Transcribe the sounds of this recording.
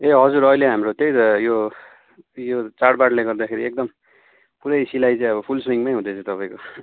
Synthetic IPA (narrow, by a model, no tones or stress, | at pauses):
eɦʌd͡zuɾʌileɦamrot̪ejt̪ʌjo | jot͡saɽbaʈlaɡʌrd̪akʰeɾiek̚d̪ʌm | puɾʌjsilajt͡sãĩʌβʌpʰulswiŋmajɦũd̪et͡sʰʌ̃t̪ʌpaj̃ko